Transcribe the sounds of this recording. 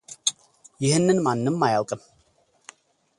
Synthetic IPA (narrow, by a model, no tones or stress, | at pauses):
ihənənmanːəmːajlˠɡəm